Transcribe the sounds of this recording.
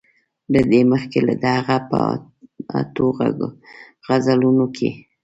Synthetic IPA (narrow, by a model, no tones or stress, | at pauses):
ləd̪eməxkela̰d̪əhaɣapə̰ | t̪oɣa̰ | ɣazalunokʰḛ